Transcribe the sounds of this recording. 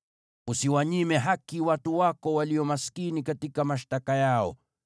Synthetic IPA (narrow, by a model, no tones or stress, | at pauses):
usiwaɲimɛɦakiwatuwakɔwaliɔmaskinikatikamaʃtakajaɔ̰